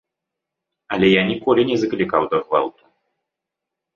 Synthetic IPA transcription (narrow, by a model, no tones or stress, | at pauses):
ɐlʲɛjanʲikɔlʲinʲɛzɐklʲikawd̪ɐɣva̰lˠt̪u̥